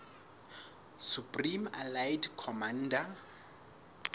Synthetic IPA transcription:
supʼrima̰lajdkʰɔman̩ːda

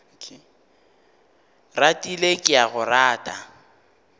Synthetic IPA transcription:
ratʼilekʼɪaɣʊraːtʼa

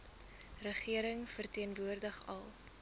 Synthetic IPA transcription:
rəχiəɾəŋfərtiənvuərdəχɐ̰lˠ

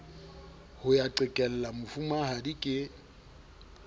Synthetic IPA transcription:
hʊjaǃɪkʼɛl̩lamʊfumahadikʼɪ

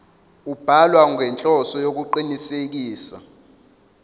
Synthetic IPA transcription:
ub̥ʱalwaŋɛnt͡ɬʼɔsɔjok̬uǃinisek̬iːsa̰

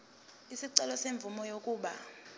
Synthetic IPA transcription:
isiǀɛlɔseɱb̪vumɔjokʼuːɓa

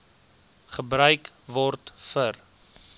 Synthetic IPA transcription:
χəbrœɥkvɔrtfər

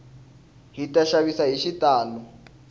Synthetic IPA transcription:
ɦitaʃaβisaɦiʃitaːlɔ

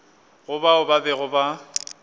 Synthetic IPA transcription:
ɣʊbaʊbabɛɣʊba

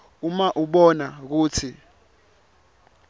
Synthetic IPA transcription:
umaʔuɓɔnak̬uːt͡sʰi

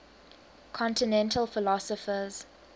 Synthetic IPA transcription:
kʰɔ̃ntɪnɛ̃ntʰəlfɪlɔsəfəz̥

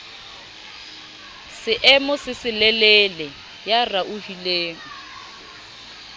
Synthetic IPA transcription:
sɪʔɛmʊsɪsɪlɛlɛlɛ | jaraʔuhileːŋ̩

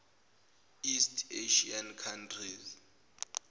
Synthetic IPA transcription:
istʰeʃiankʰantʰriz

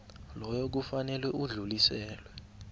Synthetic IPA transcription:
lɔjɔk̬ufanɛlwɛuɮulisɛːlwɛ

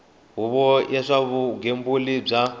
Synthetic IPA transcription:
ɦuβɔjaʂaβuɡembulib͡ʐa

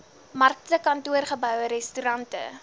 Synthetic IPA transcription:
mɐrk̚təkɐntuərχəbœwɾɛstyɾɐntə̰

